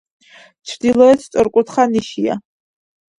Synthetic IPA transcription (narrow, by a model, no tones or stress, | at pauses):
t͡ʃʷʰdilot͡sʰt͡sʷʼɨrkʷʼʊtʰχaniʃja̰